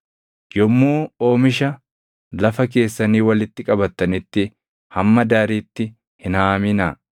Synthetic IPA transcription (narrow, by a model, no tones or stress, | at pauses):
jɔmːoːo̞ːmɪʃɐ | lɐfɐke̞ːsːɐniːwɐlɪt̪ːɪkʼɐbɐt̪ːɐnɪt̪ːɪ | hɐmːɐd̪aːɾiːt̪ːɪ | hɪnaːmɪnɐ